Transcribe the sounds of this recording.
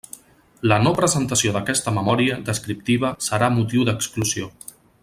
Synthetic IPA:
lənopɾəzənt̪əsioðəkɛst̪əməmɔɾiəðəskɾip̚t̪iβ̞əsəɾamut̪iwd̪əkskluzio

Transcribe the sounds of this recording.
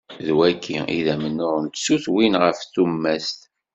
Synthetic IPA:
ðwækʰːiiðæmənːʊʁnt̪suθwinʁəfθumːæst̪

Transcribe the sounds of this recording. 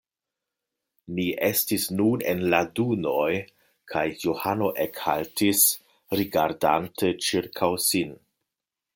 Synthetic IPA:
niʔestisnunḛnladunoj | kʰajːohano̞ʔekha̰ltis | ɾiɡaɾda̰ntʰət͡ʃiɾkʰawsin

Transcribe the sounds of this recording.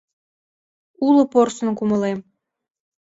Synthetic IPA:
ulə̆porsə̆nkumə̆lem

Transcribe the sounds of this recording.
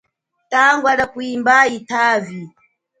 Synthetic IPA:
taŋɡwaɗakuimbaitʰaːvi

